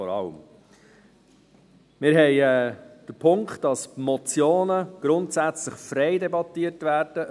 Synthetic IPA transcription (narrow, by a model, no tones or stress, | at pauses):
ɔɾɑ̰ləm | mɪɾɦɛɪɛːd̥əpʰʊŋktd̥ɑsmɔt͡sjoːnəɡ̥ɾʊntsæt͡sləχfɾɛɪdɛbɑtːiːəɾtvæːɾd̥ə